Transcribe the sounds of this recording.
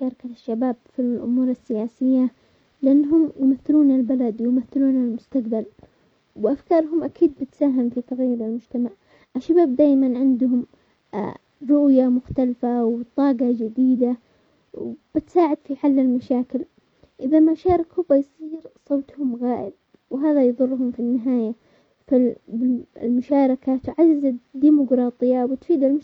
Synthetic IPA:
ɑːɾˤɑkaʃːabaːbfiʔʊ̰muːɾasːɪjaːsɪjːa | lɪʔanːɦʊmjmaθːɪluːnalbalad̪wjmaθːɪluːnalmʊst̪aqbal | wʔafkɑːɾˤɦʊmʔakʰiːd̪̚bɪt̪saːɦɪmfit̪aɣajːʊɾɪlmʊd͡ʒt̪amaʕ | ʔɪʃːabaːb̚d̪aːjmanʕɪnd̪ʊhʊm | ɾʊʔjamʊxt̪alfawt̪ˤɑːɡɑd͡ʒɪd̪iːd̪a | wb̥ɪt̪saːʕɪd̪fiħalːɪlmaʃaːkɪl | ʔɪðamaʃɑːɾˤɑkhʊbajsˤiːɾsˤoːt̪hʊmɣaːʔɪb̪̚ | wɦaːðajðˤʊlːɦʊmfinːɪɦaːja | fabɪlmʊʃɑːɾˤɪkat̪ʊʕazːɪzad̪ːiːmʊɡɾˤɑːt̪ˤɨjːawɪt̪fiːd̪ɪl

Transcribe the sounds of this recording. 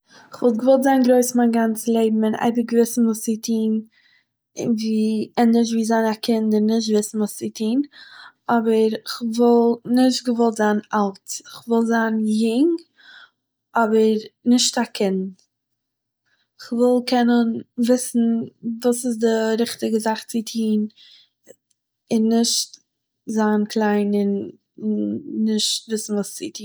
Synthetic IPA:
ɪχvɔlˠtɡəvɔlˠtzaːnɡɾoɪsmanɡant͡səlˠeɪbm̩ɪna̰ɪbəɡvɪsn̩vuːsɪtʰiːn | ɪviːɛnɪʃ̬viːzaɪnakʰɪndɪnɪʃ̬tvɪsn̩vuːsɪtʰiːn | ɔbəɾɪχvɔlˠnɪʃtɡəvɔlˠtzaːnalˠtɪχvɪlˠzaːnjʊŋ | ɔbəɾɾnɪʃtakʰɪn | ɪχvɪlˠkɛnənvɪsn̩vuːsɪs̬dɪɾɪχtɪɡəzaχt͡sɪtʰiːn | ɪnːɪʃt | zaːnkʰlˠaɪnɪn | ɪʃtvɪsn̩vuːst͡sɪtʰiːn

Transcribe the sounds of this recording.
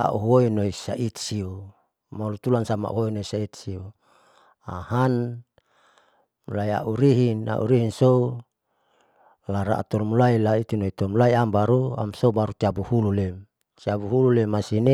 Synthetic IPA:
a̰ʔṵɦoinoisait̪̚siu | maulut̪ulansama̰ʔṵɦoinoisait̪siu | a̰han | mulaia̰ʔuɾiɦina̰ʔṵɾiɦinsou | laɾa̰t̪ɔlmulailait̪inoit̪ɔmulaiambaɾua̰msobaɾut͡ʃ̪iabuhululem | t͡ʃiabuɦululemasine

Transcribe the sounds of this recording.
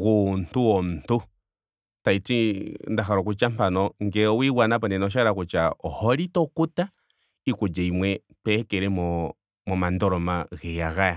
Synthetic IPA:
ɣunt̪uɔnt̪u | tait͡sind̪aɦaɾɔkut͡ʃam̥panɔŋɡɛɔwiwanapandɛnɔʃaɾakut͡ʃaɔhɔɾit̪ɔkut̪a | ikʷud͡ʒaimwɛ | pɛkɛɾemɔ | mɔmand̪ɔɾɔmahɛjaɣaja

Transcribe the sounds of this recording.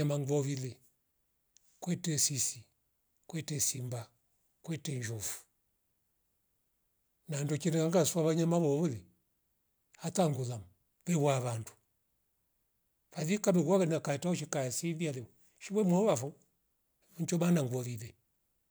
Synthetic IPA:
amaŋɡɔβilɛ | kwɛtɛsisi | kwɛtɛsimba | kwɛtɛɲd͡ʒɔfu̥ | nandɔt͡ʃiɾɛkaŋɡasuaβaɲamaβɔβulɛ | ataŋɡulam | βɛɣwaβandu̥ | βaðikamɛɣwaɣanakataɔʃikajasiβialɛ | ʃiβwɛmɔɔβafɔ | unt͡ʃɔmanaŋɡɔβilɛ

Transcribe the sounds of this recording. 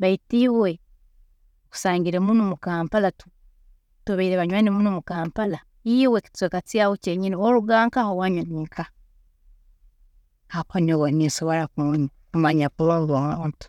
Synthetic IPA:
βaitiβwe | ku̥saːɲɡiɾemunomukaːmpalatu | tuβaiɾeβaɲwaːnemunumukaːmpala | iweki̥tt͡swekat͡siawot͡ʃeɲinioɾuɡaːŋkahowaɲwaniːŋka | hakonoɣonisoβoɾakuni | kumaɲapulalwantu̥

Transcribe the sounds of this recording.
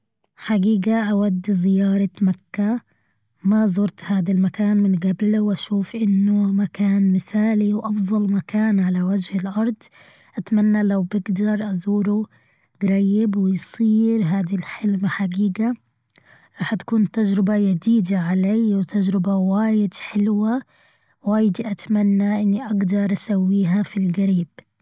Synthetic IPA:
ħaɡiːɡaʔawad̪ːzɪjɑːɾˤɑmakːa | mazˤʊɾˤt̪haːd̪almakaːnmɪnɡablwʔaʃuːfʔɪnːʊmakaːnmɪsaːliwʔɑfðˤɑlmakaːnʕalawad͡ʒhɪlʔɑɾˤd̪ˤ | ʔat̪manːalawbɪɡd̪ɑɾˤʔazuːɾʊ | ɡ̥ɾajːɪbwɪjsˤiːɾɦaːd̪ilħɪlmaħaɡiːɡa | ɾˤɑːħt̪ḁkuːnt̪ad͡ʒɾɪbajad̪iːd̪aʕalaːwt̪ʰad͡ʒɾɪbawaːjɪd̪ħɪlwa | waːjɪd̪ʔat̪amanːaʔɪnːiʔaɡd̪ɑɾˤʔasawːiːɦafilɡaɾiːb̥

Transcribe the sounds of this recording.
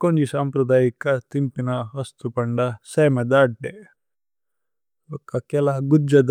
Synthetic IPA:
koɲd͡ʒisaːmpɾɐd̪aːjikɐt̪impinɐɦɐst̪upɐɳɖɐsɐjmed̪aːʈ̚ɖe | bɐkːɐkɛlɐɡud͡ʒɐd̪

